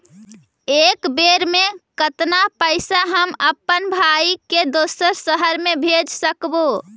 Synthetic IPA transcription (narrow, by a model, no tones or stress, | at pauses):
ekbeɾmekət̪napəɪsaɦəməpːənbʱajiked̪osəɾsəɦəɾmebʱed͡ʒsəkbo